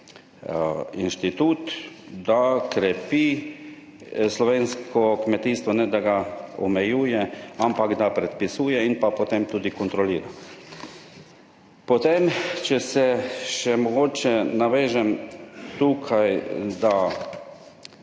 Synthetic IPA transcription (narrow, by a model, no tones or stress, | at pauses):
inʃt̪it̪uːt̪ | d̪akɾɛpiː | slɔʋeːnskʰɔkmɛt̪iːst̪ʋɔnɛd̪aɡaɔmɛjuːjɛampaɡd̪apɾɛt̪̚pisuːjɛinpapɔt̪emt̪uːd̪ikɔnt̪ɾɔliːɾa | pɔt̪emt͡ʃɛsɛʃɛmɔɡoːt͡ʃɛnaʋeːʒɛmt̪uːkʰajd̪a